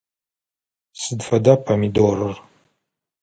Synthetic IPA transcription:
sɨdfɐdapʰɐmidorɨr

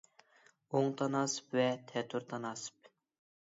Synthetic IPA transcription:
oŋt̪ʰɑnɑsɨ̥pvɛt̪ʰɛt̪ʰuɾt̪ʰɑnɑsɨ̥p̚

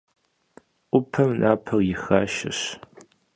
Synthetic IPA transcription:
ʔʷʊpʰɐmnʔaːpʰɐrjɪxaːʃɪ̰ɕ

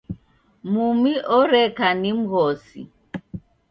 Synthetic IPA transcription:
mumiʔɔɾɛkanim̩ɣɔsḭ

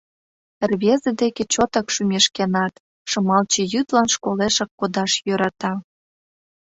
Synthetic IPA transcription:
rβezed̪eket͡ɕot̪ɑkʃymʲeʃkenɑt̪ | ʃə̆mɑlt͡ɕĕjyt̪lɑnʃkoleʃɑkːod̪ɑʃjøɾɑt̪ɑ

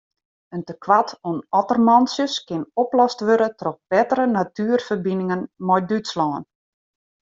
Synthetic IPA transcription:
əntəkʋatunɔtərmɔnsjəskɪnɔplɔstʋøɾətrɔx̚b̥ɛtəɾənatyərfərbinɪŋənmɔjdytslɔːən

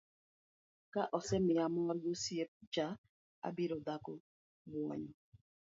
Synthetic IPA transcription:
kaʔɔsɛmɪamɔɾɡosiep̚t͡ʃa | a̰biɾɔdakɔ | bwɔ̰ɲɔ

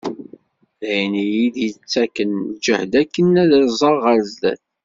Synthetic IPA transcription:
ðæjnijid̪jət͡sːækənd͡ʒəhd̪ækːənæðɾzˤəʁʁəɾzd̪æ̰θ

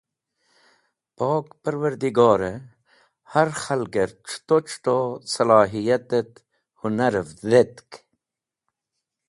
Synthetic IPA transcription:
pɑːkpɐɾwɐɾd̪iɡɑːɾe | hɐɾxɐlɡeɾʈ͡ʂʰt̪ot͡ʃʰʈ̪osɐlɑːɦijɐt̪et̪ | hunɐɾfzet̪k

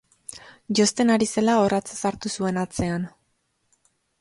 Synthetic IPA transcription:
ʝo̞st̪e̞naɾise̞lao̞rat͡sasaɾt̪usue̞nat͡se̞an

